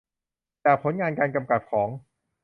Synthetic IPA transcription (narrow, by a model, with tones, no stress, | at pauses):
bɛː˨˩pʰːo˩˦nŋaː˧nkaː˧nka˧mka˨˩t̪̚kʰɔː˩˦ŋ